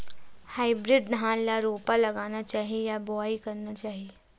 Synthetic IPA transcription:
haːɪbɾɪɖ̚nʱaːnlaɾoːpalɐɡaːnat͡ʃaːɦiejabɔːikɐɾnat͡ʃaːɦie

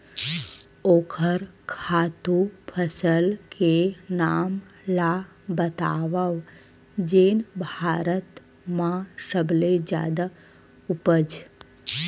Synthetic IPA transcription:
oːkʰəɾkʰaːt̪upʰəsəlkʰenaːm | la | bət̪a̰ːʋaʋ | d͡ʒeːnbʱaːɾət̪ | mãsəbled͡ʒja̰ːd̪a | ʊpəd͡ʒ

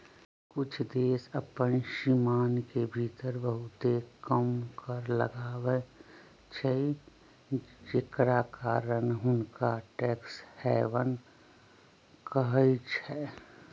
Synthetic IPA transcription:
kʊt͡ʃʰd̪eːsəpənʃimaːnkebʱiːt̪əɾbəɦʊt̪ekəmkəɾlə̰ɡaːwe | t͡ʃʰəi | d͡ʒekɾakaːɾənɦʊnkaʈɛːkshɛːʋən | kəɦəit͡ʃʰɛː

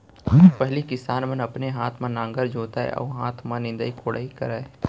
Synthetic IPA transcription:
pɛɦlikɪsaːnmə̃nɐpneɦaːt̪ʰmãnãːŋɡəɾd͡ʒoːt̪aɦɛ̰ʔɔ̰ːɦaːt̪ʰmãnɪ̃nd̪aikʰoɽa̰ːikɐ̰ɾaːe

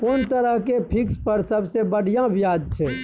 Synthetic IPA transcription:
kont̪əɾəɦkepʰikspəɾsəbsebəɽ̤ijãbjaːd͡ʒt͡ʃʰɛː

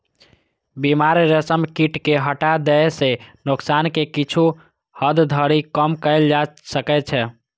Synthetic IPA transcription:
bimaɾɾəsəmkiʈkeɦəʈad̪ɛsenoksankekit͡ʃʰu | həd̪d̪ʱəɾikəmkəɪld͡ʒasəkɛt͡ʃʰɛ

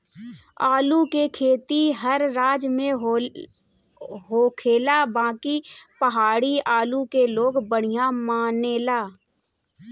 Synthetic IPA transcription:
aːlukekʰeːt̪iɦəɾːaːd͡ʒmẽɦ | ɦoːkʰeːlabãːkipəɦaːɽiaːlukeloːɡbəɽ̤ɪjamaːneːlaː

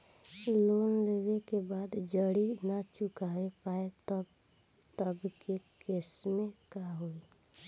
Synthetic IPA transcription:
loːnleʋekebaːd̪d͡ʒəɽinat͡ʃʊkaːepaːet | t̪əbkekeːsmẽkaɦoːi

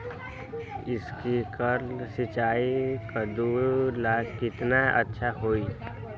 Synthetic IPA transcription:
ɪskikəɾlsɪt͡ʃaːikad̪uːɾlaːɡkɪt̪naə̰tːʃʰaɦoːiɛ

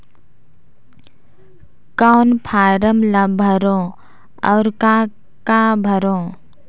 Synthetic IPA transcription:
kaʊnpʰaːɾəmlabʱəɾõ | ɔːɾkã | kaːbʱəɾõː

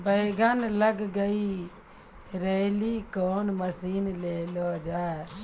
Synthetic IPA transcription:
bəɪɡənləɡɡəi | ɾelikoːnməsiːnlelod͡ʒa

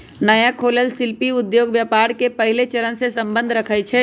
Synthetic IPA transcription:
nɐjakʰoːləlsɪlpiʊd̪joːɡʋjapaːɾkepɐɦɪlet͡ʃɐɾənsesɐ̃mbə̃nd̪ʱɾɐkʰət͡ʃʰɛ

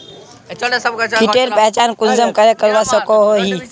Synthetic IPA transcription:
kiʈeɾpɛɦt͡ʃankund͡ʒəmkəɾekəɾɾasəkoɦoɦi

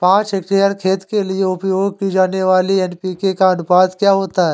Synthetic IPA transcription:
pãːt͡ʃɪkʈɾijəɾkʰeːt̪kelieʊpjoːɡ̚kid͡ʒaːneʋaːliɛnpiːkekaɐnʊpaːd̪kjaːɦoːt̪aɦɛː

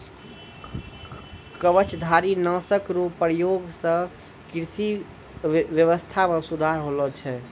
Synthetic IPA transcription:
kəʋət͡ʃʰd̪ʱaɾinəsəkɾupːɾjoɡsə̃ | kɾsi | ʋjəʋəst̪ʰamẽsud̪ʱaɾɦolət͡ʃʰɛ

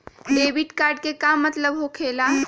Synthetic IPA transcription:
ɖeːʋɪʈkaːɾɖ̚kekamːɐt̪ləbɦokʰeːla

